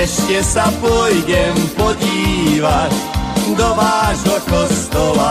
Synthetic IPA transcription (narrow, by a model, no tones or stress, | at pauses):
ɛʃcɛsapʊɔjɟɛmpɔɟiːʋacd̪ɔʋaːʒɦɔkɔst̪ɔla